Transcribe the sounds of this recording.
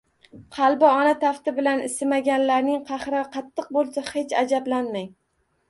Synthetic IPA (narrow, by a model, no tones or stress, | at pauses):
qʰɑlˠbɪɒnat̪ʰaft̪ɪbɪlanɪsɪmaɡʲanlaɾnɪŋqʰɑχɾqʰɑt̪ʰːɨq̚bolˠsahe̞t͡ʃad͡ʒablanmaŋ